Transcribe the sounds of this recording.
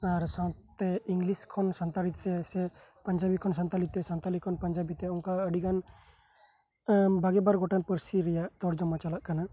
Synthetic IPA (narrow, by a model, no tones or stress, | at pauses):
aɾsãwt̪ɛiŋɡliskʰɔnsant̪aɾit̪ːɛsɛpəɲd͡ʒabikʰɔns̬ant̪alit̪ːɛsant̪alikʰɔnpəɲd͡ʒabit̪ɛɔŋkaəɖiɡan | bʱaɡɛbaɾɡɔʈanpəɾsiɾɛjaʔt̪ɔɾd͡ʒɔmat͡ʃalaʔkana